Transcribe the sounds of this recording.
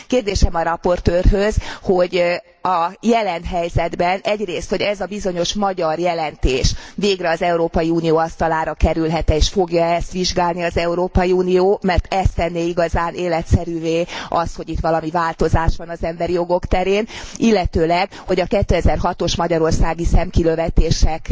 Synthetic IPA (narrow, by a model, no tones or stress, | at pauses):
keːrd̪eːʃɛmɒɾɒpo̞rt̪øːrɦø̞zho̞ɟ | ɒjɛlɛnɦɛjzɛd̪bɛnɛɟreːst̪ho̞ɟɛzɒbizo̞ɲo̞ʃmɒɟɒrjɛlɛnt̪eːʃʋeːɡrɛɒzɛuɾoːpɒjiuːnijoːɒst̪ɒlaːɾɒkɛɾylɦɛt̪ɛeːʃfo̞ɡjɒɛst̪ʋiʒɡaːlniɒzɛuɾoːpɒjiuːnijoːmɛrt̪ɛst̪ɛnːeːiɡɒzaːneːlɛt̪sɛɾyːveːɒsho̞ɟit̪ʋɒlɒmivaːlt̪o̞zaːʃʋɒnɒzɛmbɛɾijo̞ɡo̞kt̪ɛɾeːnilːɛt̪øːlɛɡ | ho̞ɟɒkɛt̪ːøːɛzɛrɦɒt̪o̞ʃmɒɟɒɾo̞rsaːɡisɛmkiløvɛt̪eːʃɛk